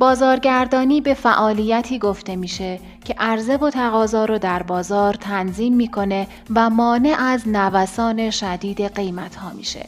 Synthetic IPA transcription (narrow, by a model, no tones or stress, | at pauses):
bɒːzɒːɾɟæɾd̪ɒːniːbe̞fæʔɒːliːjæt̪ʰiːɡo̞ft̪e̞miːʃe | cʰe̞ʔæɾzevot̪ʰæɣɒːzɒːɾɔːd̪æɾbɒːzɒːɾt̪ʰænziːmːiːkʰo̞ne̞ | væmɒːne̞ʔæznævæsɒːne̞ʃæd̪iːd̪e̞ɢe̞jmæt̪ʰhɒːmḭːʃḛ